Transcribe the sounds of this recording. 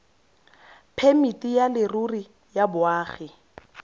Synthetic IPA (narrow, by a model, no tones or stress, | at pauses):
pʰemitʼijalɪruri | jabʊaːχɪ